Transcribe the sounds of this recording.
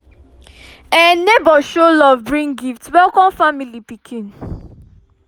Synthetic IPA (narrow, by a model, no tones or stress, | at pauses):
ɛnebɔʃolɔvbɹĩŋɡiftwɛlkɔ̃nfamilipikʰĩn